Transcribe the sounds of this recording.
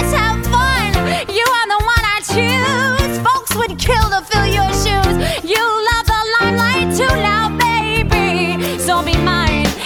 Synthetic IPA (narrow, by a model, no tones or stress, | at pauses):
safʌ̃njɨə˞ðəwʌ̃nə˞tʰʉz̥foʊkswəd̚kʰɪlˠtəfɪlˠjə˞ʃʉz̥jɨlʌvðəlãɪ̃nlaɪtʰunaʊbeɪbisoʊmimãɪ̃n